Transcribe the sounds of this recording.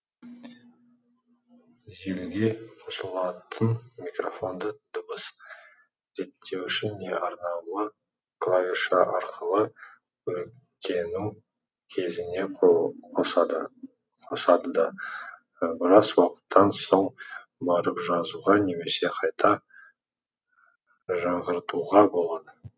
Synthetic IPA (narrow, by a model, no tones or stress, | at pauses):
ʒe̞lɡʲe̞qʰo̞səlˠɑt̪ʰənmikro̞fo̞nd̪əd̪̥ʊbəs | ze̞t̪ʰːe̞wʏʃɪnːe̞ʔɑɾnɑwlˠə | klˠavʲiʃɑʔɑɾqʰəlˠə | wɵlk | t̪ʲe̞nɪŋ | kʲʰe̞zɪne̞qd̪ | qʰo̞sɑd̪əd̪ɑ | bɪɾɑzwɑqə̥t̪ʰːɑnso̞ɴ | bɑɾəpʒɑzuʁɑne̞me̞se̞qʰɑjt̪ʰɑ | ʒɑɴʁəɾt̪uʁɑbo̞lˠɑd̪ə